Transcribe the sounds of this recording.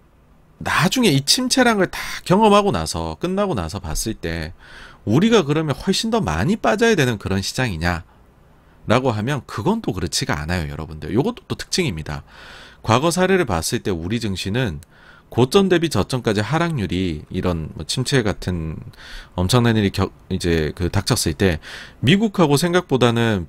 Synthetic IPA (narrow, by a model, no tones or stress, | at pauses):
nad͡ʑuŋe̞it͡ɕʰimt͡ɕʰe̞ɾaŋɯɭtḁkjʌŋʌmɦaɡona̰sʰʌ̰k͈ɯnːaɡona̰sʰʌpa̰s͈ɯɭt͈e̞ | uɾiɡakɯɾʌmjʌnɸwʌɭɕ͈indʌma̰ɲip͈ad͡ʑajadwe̞nɯnkɯɾʌnɕʰi̥d͡ʑaŋiɲa | ɾaɡoɦamjʌnkɯɡʌndokɯɾɯt͡ɕʰiɡaa̰najojʌ̰ɾʌbunde̞jo̰joɡʌt͈o̥t͈otʰɯ̥k̚t͡ɕ͈ɯŋimɲida̰kwaɡʌs̬ʰaɾe̞ɾɯɭpas͈ɯɭt͈e̞uɾid͡ʑɯŋɕʰinɯn | kot͡ɕ͈ʌnde̞bit͡ɕʌt͡ɕ͈ʌŋk͈ad͡ʑiɦaɾaŋɲuɾiːɾʌnmʌ̰t͡ɕʰimt͡ɕʰeɡatʰɯn | ʌmt͡ɕʰʌŋnaniɾikjʌ | id͡ʑe̞kɯtak̚t͡ɕʰʌs͈ɯɭt͈e̞miɡukʰaɡosʰeŋɡak̚p͈odanɯn